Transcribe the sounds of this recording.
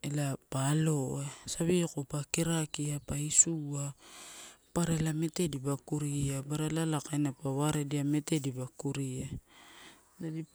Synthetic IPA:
elapalo̞esaβiokopakiɾakiapaisua | paɾelame̞te̞dibakuɾiabaɾalalakajnapaβaɾediame̞te̞dibakuɾia | adi

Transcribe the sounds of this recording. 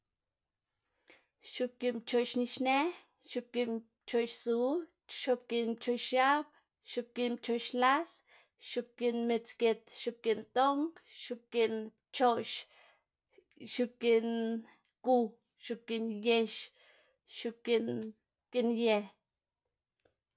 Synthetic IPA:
ʃup̚kinpt͡ʃoʔʃniʃne | ʃup̚kin | t͡ʃoʔʃsu | ʃup̚kint͡ʃoʔʃab̚ | ʃup̚kint͡ʃoʔʃlas | ʃup̚kinmet͡sket̪ʃup̚kint̪oŋʃup̚kin | t͡ʃoʔʃ | ʃukin | ku | ʃupkinjeʃ | ʃukin | kinjeh

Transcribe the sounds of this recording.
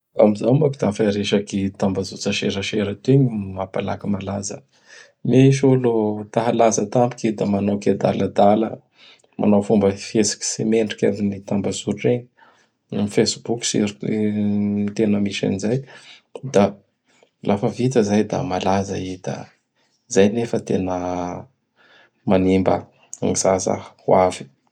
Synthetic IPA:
a̰mizamakid̪afaɾeʃakit̪ambazut͡səʃeɾəʃeɾət̪eɲimapala̰kimalazə̰ | meʃolot̪aɦalazət̪ampu̥kid̪amanawked̪a̰ləd̪alə̰ | mʔa̰nawfumbəfesi̥ki̥semeɳʈ͡ʂi̥ka̰ninit̪ambazuʈ͡ʂeɲ | ifesbukʲsḭɾ | mit̪enəmiʃa̰nizaj | d̪a | lʔafəvit̪əzajd̪a̰malazəid̪̥a̰ | zajnefət̪enə | manimba̰ | ŋiz̥aza̰hwavi̥

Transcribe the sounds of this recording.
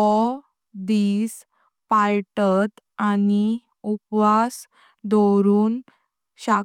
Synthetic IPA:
ɔ | d̪iːs | pajʈət̪ | ani | upʋas | d̪ɔɾuːn | ɕa

